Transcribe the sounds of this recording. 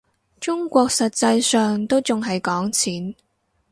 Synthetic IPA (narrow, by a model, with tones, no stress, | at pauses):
t͡ʃʊ˥ŋkʷɔː˧k̚sɐ˨t̚t͡sɐ˧jsœː˨ŋt̪o˥wt͡sʊ˨ŋɦɐ˨jkɔː˨˥ŋt͡sʰiː˨˥n